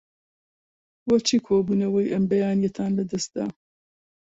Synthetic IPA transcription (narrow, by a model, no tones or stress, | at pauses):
wɐt͡ʃʰiːkʰoːbuːnɐwɐjʔɐmbɐjaːnjɛt̪ʰaːnlɐd̪ɐst̪̚d̪a̰ː